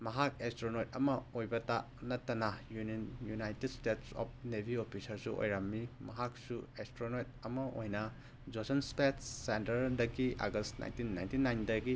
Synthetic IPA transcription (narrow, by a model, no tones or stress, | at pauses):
mɐɦak̚ekstɾonojt̚ɐmɐojbɐta | nɐtːɐnɐjunjunajtedstetsɔ̰p̚nebʱiopʰisɐɾsuʔo̰jɾɐmːimɐɦak̚suestɾonojt̚ɐmɐʔojnɐ | d͡ʒosɐnspetːentɐɾdɐɡiʔa̰ɡɐstna̰jntinːajntinːajndɐɡi